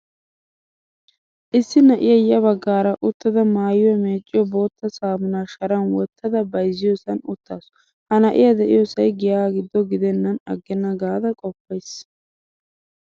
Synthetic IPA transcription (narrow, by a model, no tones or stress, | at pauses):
ʔɪsːɪnɐʔɪjɐjɐbɐɡːaːɾɐʔʊt̪ːɐd̪ɐmaːjɪwɔmeːt͡ʃʼːɪjɔbo̞ːt̪ːɐsaːmʊnaːʃɐɾɐnwɔt̪ʰːɐd̪ɐbɐjzːɪjoːsɐnʊt̪ːa̰ːsɔ̥ | hɐnɐʔɪ̰jɐd̪ɛʔɪjosɐjɡɪjaːɡɪd̪ːɔɡɪd̪ɛnːɐnɐ̰ɡːɛnːɐɡaːd̪ɐkʼɔpːɐjs